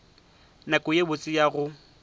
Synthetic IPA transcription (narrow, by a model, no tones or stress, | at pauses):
nakʼʊjebʊt͡sʼɪjaɣʊ